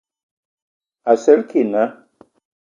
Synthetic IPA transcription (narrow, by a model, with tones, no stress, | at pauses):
a˨sɛ˦lkʰi˨na˦